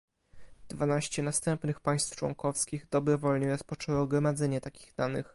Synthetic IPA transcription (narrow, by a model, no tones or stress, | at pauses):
d̪vanaɕt͡ɕɛnast̪ɛmpnɘxpaj̃st̪ft͡ʂwɔ̰ŋkɔfskʲiɣd̪ɔbɾɔvɔlɲɛɾɔspɔt͡ʂɛwɔɡɾɔmad̪zɛɲɛt̪akʲi̥ɣd̪anɘ̰x